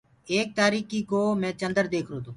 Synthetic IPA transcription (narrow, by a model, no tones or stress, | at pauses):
eːk̚t̪aːɾiːkikoːmɛ̃ːt͡ʃə̃nd̪əɾd̪eːkʰɾoːt̪õː